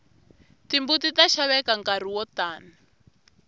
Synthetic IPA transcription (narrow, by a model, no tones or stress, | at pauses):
timbutitaʃaβɛkaŋkar̤iwɔtaːna